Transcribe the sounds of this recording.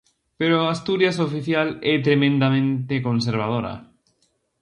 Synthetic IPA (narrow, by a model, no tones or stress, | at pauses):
peɾoast̪uɾjas̬ofiθjalɛt̪ɾemẽnd̪amẽnt̪ekõns̬eɾβ̞að̞oɾa̰